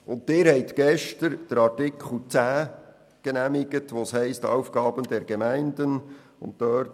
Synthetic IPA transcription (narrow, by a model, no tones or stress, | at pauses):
ʊnttɪːɾhɛɪt̪ɡɛʃtəɾd̥əɾɑɾtɪkʰχl̩t͡sæː | ɡ̥enæmɪɡ̥ətʋoːshɛɪstɑ̰wfɡ̥ɑːbəndɛɾɡemæɪndən | ʊ̰ntdøɾt